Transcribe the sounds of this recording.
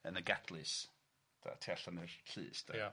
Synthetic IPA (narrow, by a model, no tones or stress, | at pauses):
ənəɡadlɨs | d̥a̰tʰiaɬanɨrɬʰɨ̰ːsd̥a̰